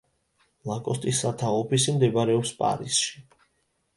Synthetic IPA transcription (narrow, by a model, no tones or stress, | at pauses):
lˠakʼɔst̪ʼisːat̪ʰaɔpʰisimd̪ɛbɾɛɔpspʼa̰ɾisʃi̥